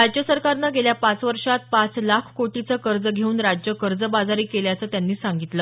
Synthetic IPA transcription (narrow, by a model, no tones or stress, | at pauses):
ɾad͡ʑjəsəɾkaɾnaɡeljapat͡sʋəɾʂat̪̚pat͡slakʰkoʈit͡səkəɾd͡zəɡʱeuːnɾad͡ʑjəkəɾd͡zəbad͡zaɾiːkeljat͡səːt̪janːiːsaŋɡit̪lə